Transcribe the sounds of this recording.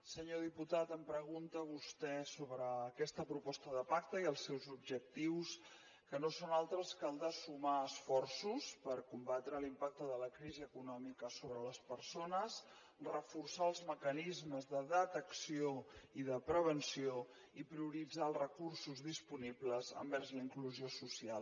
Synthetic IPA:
səɲoðiput̪at̪əmpɾəɣ̞unt̪əβust̪ɛsoβɾəːkɛst̪əpɾupɔst̪əðəpak̚t̪əiəlˠsːɛwzubʒək̚t̪iws | kənosonalˠt̪ɾəskəlˠd̪əsumaəsfɔrsuspəɾkumbat̪ɾəlimpak̚t̪əðələkɾiziəkunɔmikəsoβɾələspərsonəs | rəfursaəlˠzməkənizməzðəðət̪əksioiðəpɾəβənsio | ipɾiuɾid͡zaəlˠrəkursuzðispunibləzə̰mbɛrzləiŋkluziosusial

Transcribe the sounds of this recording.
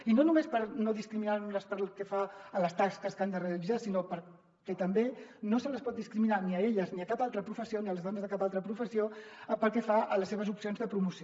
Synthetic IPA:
inonumespəɾnoðiskɾiminaləspəɾlˠkɛfaələst̪askəskand̪əreəlizasinopəɾ | kɛt̪əmbenosələspɔt̪̚d̪iskɾiminaniəeʎəzniəkapalˠt̪ɾəpɾufəsioniələzðɔnəzðəkapalˠt̪ɾəpɾufəsiopəlˠkɛfaʔələseβəzupsionzðəpɾumusi

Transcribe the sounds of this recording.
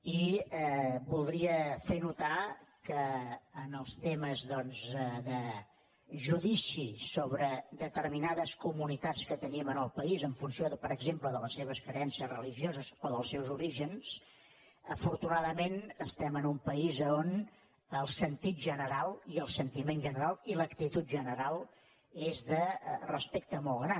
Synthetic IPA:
iɛbulˠd̪ɾiəfenut̪akəːnəlˠst̪eməzðɔnzəðə | ʒuðisisoβɾəd̪ət̪ərminaðəskumunit̪at͡skət̪əniəmənəlˠpəizəɱfunsioðəpəɾəɡzempləðələsːeβ̞əskɾəɛnsiəzrəliʒiozəsoðəlˠsːɛwzuɾiʒəns | əfuɾt̪unaðəmenəst̪ɛmənumpəizəon | əlˠsənt̪it̪̚ʒənəɾalˠiəlˠsənt̪imenʒənəɾalˠiləkt̪it̪ut̪̚ʒənəɾalˠ | ezðərəspek̚t̪əmɔlˠɣɾa

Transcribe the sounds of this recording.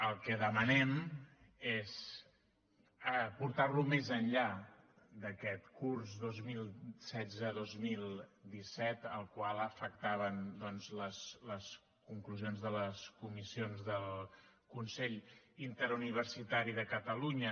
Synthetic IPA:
əlˠkɛðəmənɛm | ez | əpuɾt̪arlumezənʎa | d̪əkɛt̪kurzðozmilˠsɛd͡zəðozmilˠd̪isɛt̪əlˠkwalˠəfək̚t̪aβənd̪ɔnzləsləs | kuŋkluzionzðələskumisionzðəlˠ | kunsɛʎint̪əɾuniβ̞əɾsit̪aɾiðəkət̪əluɲə

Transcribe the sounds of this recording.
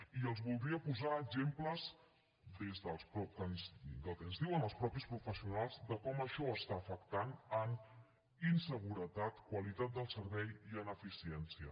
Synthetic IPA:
iəlˠzβulˠd̪ɾiəpuzaəɡzempləz | d̪ezðəlˠspɾɔkənzd̪əlˠkənzðiwənəlˠspɾɔpispɾufəsiunalˠzd̪əkɔməʃɔəst̪aːfəkt̪anən | insəɣuɾət̪at̪kwəlit̪at̪̚d̪əlˠsəɾβɛjiənəfisiɛnsiə̰

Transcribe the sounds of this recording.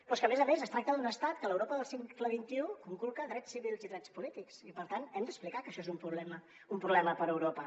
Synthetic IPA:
pɔskəmezəmezəst̪ɾak̚t̪əðunəst̪at̪kələwɾopəðəlˠsiŋkləβint̪iukuŋkulˠkəðɾɛsːiβilˠziðɾɛt͡spulit̪iksipəɾt̪anɛmd̪əsplikakəʃɔezumpɾuβlɛmə | umpɾuβlɛməpəɾəwɾopə

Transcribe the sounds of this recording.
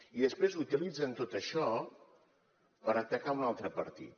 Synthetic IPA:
iðəspɾezut̪ilid͡zənt̪ot̪əʃɔ | pəɾət̪əkaunalˠt̪ɾəpə̰ɾt̪ḭt̪

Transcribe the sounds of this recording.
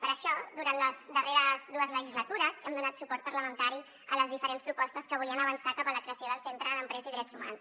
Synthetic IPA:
pəɾəʃɔd̪uɾant̪ləzd̪əreɾəzd̪uəzləʒizlət̪uɾəzɛmd̪unat̪supɔɾrt̪̚pəɾləmənt̪aɾi | ələzðifəɾenspɾupɔst̪əskəβ̞uliənəβ̞ənsakapələkɾeəsioðəlˠsent̪ɾənəmpɾɛzəiðɾɛd͡zuma̰ns

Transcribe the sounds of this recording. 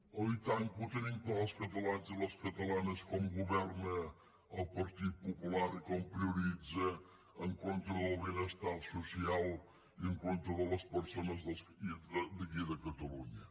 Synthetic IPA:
ɐit̪aɲuput̪enĩŋkoɐskɐt̪ɐlˠazɐlˠɐskɐt̪ɐlanɐskomuɣuβɛɾnɐ | ɐwpɐɾt̪iðupupulaɾikompɾiuɾizɐ | ɐŋkõnt̪ɾɐðɐβinɐst̪aɾsusialˠ | ieŋkõnt̪ɾuɐðɐlɐspəɾsonɐzðɐsid̪ɨɣiðɐkɐt̪ɐluɲɐ

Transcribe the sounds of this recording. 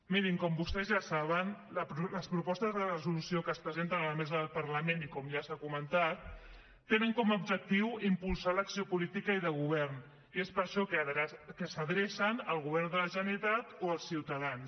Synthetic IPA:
miɾiŋkɔmbust̪ɛzʒasaβ̞ənləpɾuləspɾupɔst̪əzðərəzulusiokəːspɾəzent̪ənələmezəðəlˠpəɾləmenikɔmʒasakumənt̪at̪̚ː | enəŋkɔməubd͡ʒək̚t̪iwimpulˠsaləksiopulit̪ikəiðəɣuβ̞ɛrn | iespəɾʃɔkəðkəsəðɾesənəlˠɣuβɛrnd̪ələʒənit̪at̪oəlˠsiwt̪əðans

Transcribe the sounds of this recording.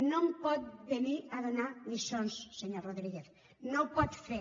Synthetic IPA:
nõmpɔt̪̚beniaðonamisonsːeɲoroðɾiɣeθ | nowpɔt̪fe

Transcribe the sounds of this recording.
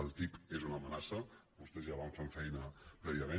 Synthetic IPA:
əlˠt̪ipezunəmənasəbust̪ezjaβaɱfaɱfɛjnəpɾɛβiəme

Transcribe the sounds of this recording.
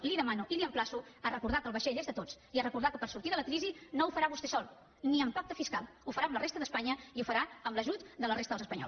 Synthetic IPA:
liðəmanuʔiliəmplasuərəkuɾð̞akəlˠβəʃeʎezðət̪ot͡s | iərəkuɾðakəpəɾsuɾt̪iðələkɾizinoufəɾaβust̪ɛsɔlˠ | niəmpak̚t̪əfiskalˠufəɾaəmlərest̪əðəspaɲəiufəɾaəmləʒut̪d̪ələrest̪əðlˠzəspəɲɔ̰ls

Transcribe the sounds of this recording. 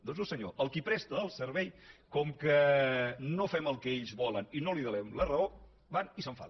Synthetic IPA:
d̪onz̬osəɲo̰ʔəlˠkipɾɛst̪əːlˠsəɾβɛjkɔmkə | nofɛməlˠkɛeʎzβɔləninoliðəlɛmlərəo | banisəɱfa̰l

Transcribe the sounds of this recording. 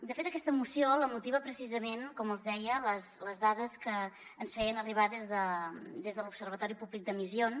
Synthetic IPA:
d̪əfet̪əkɛst̪əmusioləmut̪iβəpɾəsizəmenkɔməlˠzðɛjələsləzðaðəskəː | nsfɛjənəriβ̞aðezðəd̪ezðəlupsərβ̞ət̪ɔɾipublik̚d̪əmizion

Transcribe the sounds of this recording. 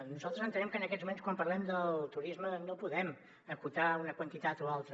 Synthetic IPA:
nuzalˠt̪ɾəzənt̪ənɛmkənəkɛtzmumenskwampərlɛmd̪əlˠt̪uɾizmənopuðɛm | əkut̪aunəkwənt̪it̪at̪oalˠt̪ɾə

